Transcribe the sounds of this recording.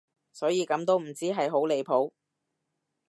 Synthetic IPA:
sɔː˨˥jiː˨˧kɐ˨˧˥mt̪o˥wm̩˨˩t͡siː˥ɦɐ˨jɦo˨˥wle˨˧jpʰo˨˥w

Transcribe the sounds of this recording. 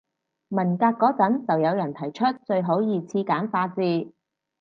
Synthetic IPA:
mɐ˨˩nkaː˧t̚kɔː˨˥t͡sɐ˨˥nt͡sɐ˨wjɐ˨˧wjɐ˨˩nt̪ʰɐ˨˩jt͡ʃʰɵ˥t̚t͡sɵ˧ɥɦo˨˥wjiː˨t͡sʰiː˧kaː˨˥nfaː˧t͡siː˧

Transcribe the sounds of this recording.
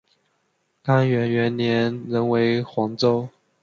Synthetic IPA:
ka˥nɥɛ˧˥nɥɛ˧˥nnjɛ˧˥˦nɻə˧˥nwe˧˥ɪxwɑ˧˥ŋt͡so˥ʊ

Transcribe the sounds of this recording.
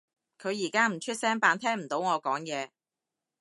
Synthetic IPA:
kʰɵ˨˧ɥjiː˨˩kaː˥m̩˨˩t͡ʃʰɵ˥t̚sɛː˥ŋpaː˨˧nt̪ʰɛː˥ŋm̩˨˩t̪o˨˥wŋɔː˨˧kɔː˨˥ŋjɛː˨˧

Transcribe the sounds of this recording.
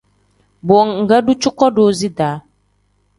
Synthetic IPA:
bɔ˨ɔ˨ŋ˨ŋ̩˨ɡa˦du˦t͡ʃʊ˦kɔ˦doː˨˦zi˦daː˨˦

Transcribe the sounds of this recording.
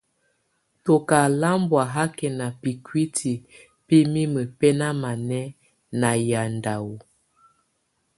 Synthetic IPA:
to˨ka˨la˦mbwa˨ɦa˦kɛ˨na˨pi˨kwi˦tʰi˨ | pi˦mi˦mə˨pɛ˦na˦ma˨nɛ˦ | na˨ja˨nda˨wu˨

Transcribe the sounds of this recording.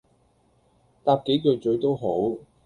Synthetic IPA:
t̪aː˧p̚ke˨˥jkɵ˨˧t͡ʃɵ˨˧ɥt̪o˥wɦo˨˥w

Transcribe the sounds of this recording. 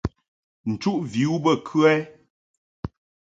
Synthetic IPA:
n̩˨t͡ʃu˦ʔvi˨˦u˦bə˦˨kʰʉ˦ɛ˦

